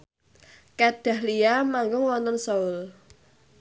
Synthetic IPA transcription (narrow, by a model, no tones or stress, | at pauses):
kad̥a̤hliamaŋɡʊŋwɔnt̪ɔnsɔʊl